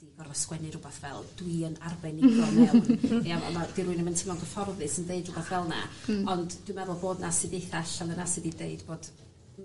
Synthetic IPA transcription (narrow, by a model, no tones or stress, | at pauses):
d̥iɡɔrvəskwɛnɨɾʊbaθvɛ̰lˠd̥wiənarbɛniɡɔmɛaa̰mad̥iɾuɨnəməntʰɪmɔŋɡəfɔrðɨsəndeɨdrʊbaθvɛlˠna̰ɔndd̥wɨmɛðʊlˠboːdnasɨdeθaɬalˠənasɨdideɨdboːd̥